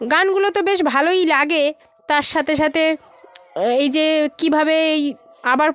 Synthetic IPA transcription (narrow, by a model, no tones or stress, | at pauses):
ɡanɡulot̪obeʃ̬bʱalojlaɡe | t̪aɾʃat̪ʰeʃ̬at̪ʰe | ejd͡ʑekibʱabeej | abaɾ